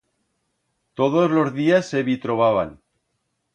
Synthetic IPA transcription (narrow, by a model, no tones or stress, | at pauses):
t̪oð̞ozlozðiasːeβit̪ɾoβaβ̞a̰n